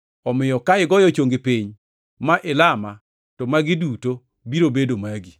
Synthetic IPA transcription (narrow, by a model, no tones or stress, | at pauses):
ɔmɪjɔkaɪɡɔjɔt͡ʃoŋɡepiɲ | maʔɪlama | tɔmaɡɪduto | biɾobedomaɡi